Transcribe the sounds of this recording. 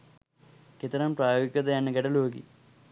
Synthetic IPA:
ket̪ːɐɾɐmpraːjoːɡikʲːɐðɐjanɨɡɐɽɐloːɡḭ

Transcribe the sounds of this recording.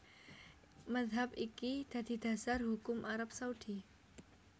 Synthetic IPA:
maðɦap̚ikid̪̥a̤d̪̥i̤d̪̥a̤sarɦukʊmʔaɾap̚saud̪̥i

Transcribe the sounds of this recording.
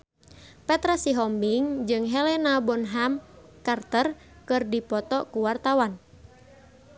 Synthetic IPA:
pɛt̪ɾasiɦɔmbiŋd͡ʒɨŋɦɛlɛnabɔnɦamkart̪ər | kɨrdipɔt̪ɔkuwart̪awan

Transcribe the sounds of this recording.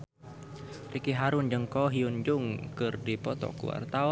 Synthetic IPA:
rikiɦaɾʊnd͡ʒəŋkɔɦiund͡ʒʊŋkɨrdipɔt̪ɔ̰kṵwa̰rt̪a

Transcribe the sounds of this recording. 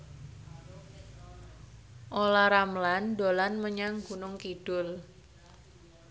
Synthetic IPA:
ʔolaɾamlandolanməɲaŋɡunʊŋkiɖ̥ʊl

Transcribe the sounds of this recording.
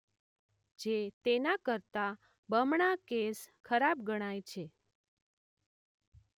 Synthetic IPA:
d͡ʒet̪enakəɾt̪a | bəmɳakeskʰəɾab̚ɡəɽ̃ajt͡ʃʰe

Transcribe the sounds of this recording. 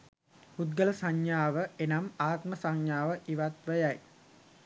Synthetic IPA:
hut̪̚ɡələsaɲjaːʋəenamaːk̪məsaŋjaːʋəʔiʋat̪ʋəjaj

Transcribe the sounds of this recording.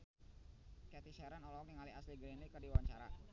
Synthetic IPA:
kɛt̪iʃɛɾanɔlɔak̚niŋaliasliɡɾenikərdiwaɲt͡ʃaɾa̰

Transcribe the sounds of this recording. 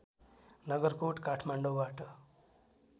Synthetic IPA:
nʌɡʌrkoʈkaʈʰmaɳɖowbaʈʌ

